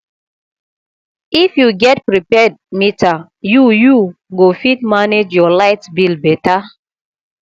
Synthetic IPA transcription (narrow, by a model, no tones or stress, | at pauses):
ifjuɡɛt̚pɹipɛd̚mita | juju | ɡofit̚maned͡ʒjɔlaɪtbilbɛta